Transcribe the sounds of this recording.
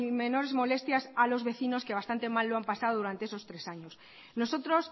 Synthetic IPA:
me̞no̞ɾe̞zmo̞le̞st̪jasalo̞zβe̞θino̞ske̞β̞ast̪ant̪e̞malːoampasaoðuɾant̪eeso̞st̪ɾe̞saɲo̞s | no̞so̞t̪ɾo̞s

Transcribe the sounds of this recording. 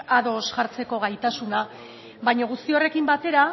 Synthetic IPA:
aðo̞sʝaɾt͡se̞ko̞ɣ̞ajt̪asuna | βajɲaɣust̪io̞re̞kimbat̪e̞ɾa

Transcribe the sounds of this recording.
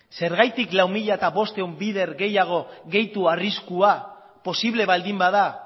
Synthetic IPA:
se̞ɾɣajt̪iklawmiʎaet̪aβo̞st̪e̞ombiðe̞ɾɣe̞jaɣ̞o̞ɣe̞jt̪uariskua | po̞siβ̞le̞βald̪imbaða

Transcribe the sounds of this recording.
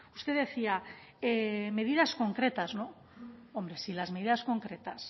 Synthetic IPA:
ust̪e̞ðe̞θia | eme̞ð̞iðasko̞ŋkɾe̞t̪azno̞ | ombɾe̞silazme̞ð̞iðasko̞ŋkɾe̞t̪as

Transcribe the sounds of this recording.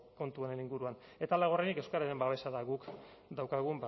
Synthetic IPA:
ko̞nt̪uoɾe̞niŋɡuɾuan | e̞t̪alaɣ̞o̞renikewskaɾaɾe̞mbaβe̞saðaɣuk | d̪awkaɣ̞umba

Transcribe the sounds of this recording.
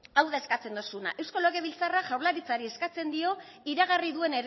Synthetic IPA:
awðae̞skat͡se̞nd̪o̞suna̰ʔe̞wsko̞loɣe̞β̞ilt͡saraʝawɾlaɾit͡saɾie̞skat͡se̞nd̪io̞ | iɾaɣ̞ariðue̞neɾ

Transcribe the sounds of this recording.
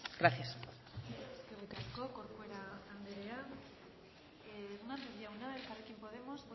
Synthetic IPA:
ɡ̥ɾaθjas | keretɾaskokoɾkweɾaːnd̪eɾea | eunant̪eβiaunaðelkaɾakjempo̞ðemosp

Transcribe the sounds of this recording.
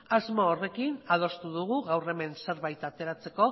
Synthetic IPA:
azmoːre̞kinað̞o̞st̪uðuɣ̞uɣawre̞me̞nse̞ɾβajt̪at̪e̞ɾat͡se̞ko̞

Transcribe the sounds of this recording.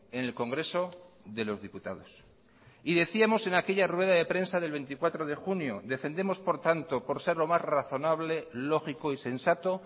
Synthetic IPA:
enelkoŋɡɾe̞so̞ | ðe̞lo̞zðiput̪a̰ðo̞s | iðe̞θiamo̞se̞nake̞ʎarwe̞ð̞aðe̞pɾe̞nsaðe̞lβe̞nt̪ikwat̪ɾo̞ð̞e̞xunjoðe̞fe̞nd̪emo̞spo̞ɾt̪ant̪o̞po̞ɾse̞ɾlo̞masraθo̞naβ̞le̞lo̞xikoise̞nsat̪o̞

